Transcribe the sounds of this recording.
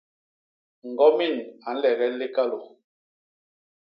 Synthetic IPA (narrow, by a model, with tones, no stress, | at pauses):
ŋ̩˨ɡɔ˦mi˦˨na˨n̩˦lɛ˨ɣɛ˦le˦ka˦lo˨